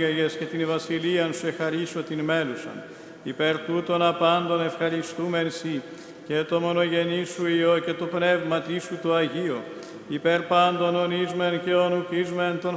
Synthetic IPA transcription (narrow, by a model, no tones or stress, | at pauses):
eʝe̞sce̞t̪invɐsiliɐnsue̞xɐɾiso̞t̪inme̞lusɐ̰n | ipeɾt̪ut̪o̞nɐpɐnd̪o̞ne̞fxɐɾist̪ume̞nsi | cet̪o̞mo̞no̞ʝe̞nisuioce̞t̪opne̞vmɐt̪isut̪uɐʝio | ipeɾpɐnd̪o̞no̞nizmence̞onukizument̪o̞n